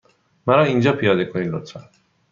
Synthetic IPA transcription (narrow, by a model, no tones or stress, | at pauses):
mæɾɒːind͡ʒɒːpʰijɒːd̪ekʰoniːd̪ɾot̪ʰɾæ̰